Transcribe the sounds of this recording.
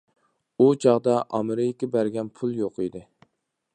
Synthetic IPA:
ut͡ʃʰɑʁd̪ɑʔɑ̰mɨɾɪjɪkʲɪbæɾɡʲɛnpʰulˠjoqid̪ɪ

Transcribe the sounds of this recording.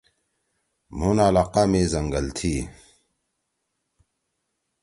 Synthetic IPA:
munaːlaːqaːmeːzɐŋɡəlt̪ʰiː

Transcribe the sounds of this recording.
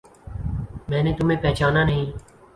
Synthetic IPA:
mɛ̃ːnẽːt̪ʊmẽːpɛːt͡ʃaːnaːnəɦĩː

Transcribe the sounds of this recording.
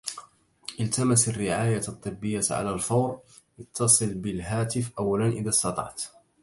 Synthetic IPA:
ʔɪlt̪amasarːɪʕaːjat̪ˤːɨbːɪjːaʕa̰lalfɑːɾ | jɑt̪ːɑsˤɨlbɪlɦaːt̪ɪfʔawːalanʔɪðaːst̪ɑt̪ˤɑ̰ʕt̪

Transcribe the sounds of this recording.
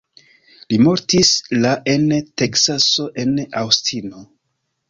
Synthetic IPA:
limo̞ɾtislaʔe̞nte̞ksaso̞ʔe̞na̰wstʰino̞

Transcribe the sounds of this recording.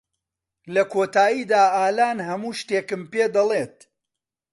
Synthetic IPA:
lɐkʰoːt̪aːjiːd̪aːaːlaːnɦɐmuːʃt̪eːkɨmpeːd̪ɐlˠeːt̪

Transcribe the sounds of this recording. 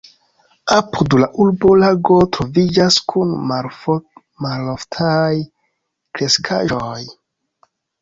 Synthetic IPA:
apudlaʔuɾbo̞laɡo̞tɾo̞vid͡ʒaskʰunm | maloftʰaj | kɾe̞skʰa̰ʒoj

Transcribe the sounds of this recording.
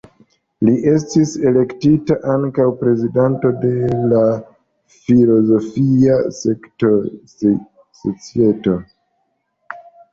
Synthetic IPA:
liʔe̞s̬tise̞le̞ktitaʔaŋkawpɾe̞zidanto̞de̞la | filo̞zo̞fiasekto | sot͡sie̞to̞

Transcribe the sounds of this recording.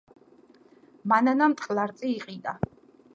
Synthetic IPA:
mananamt̪ʼχʼlˠaɾt̪sʼiːqʼid̪a

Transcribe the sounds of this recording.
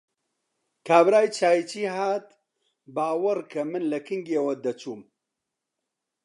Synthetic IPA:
kʰaːbɾaːjt͡ʃʰaːit͡ʃiːɦaːt̪ | baːwɐɾkʰɐmɨnlɐkʰɨŋɡeːwɐd̪ɐt͡ʃuːm

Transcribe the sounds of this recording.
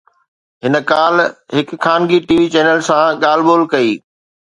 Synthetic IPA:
ɦɪnə̆kaːlɦɪkkʰːaːnɡiʈiːʋit͡ɕɛːnəlsãɠaːl̤boːlkɐiː

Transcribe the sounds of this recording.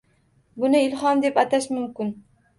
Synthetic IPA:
bʊnɪɪlhɒnd̪e̞pat̪ʰaʃmʊmkʲɪn

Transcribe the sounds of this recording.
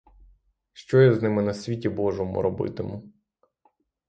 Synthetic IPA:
ʃt͡ʃɔjɛznɪmɪnɐsʲʋʲitʲibɔʒɔmʊ̰ɾɔbɪ̰t̪ɪmʊ

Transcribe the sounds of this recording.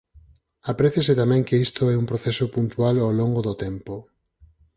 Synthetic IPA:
apɾɛθeset̪amɛ̃ŋkeist̪oɛumpɾoθɛsopunt̪ualowloŋɡoðot̪ɛmpo

